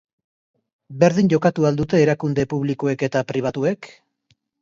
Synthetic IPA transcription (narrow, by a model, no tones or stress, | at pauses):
be̞ɾðiɲɟo̞kat̪uald̪ut̪e̞ːɾakund̪e̞puβlikoe̞ke̞t̪apɾiβ̞at̪ue̞k